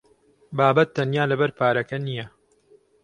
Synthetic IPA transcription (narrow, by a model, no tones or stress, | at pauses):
baːbɐt̪̚ːɐnjaːlɐbɐɾpʰaːɾɐkɐnijɐ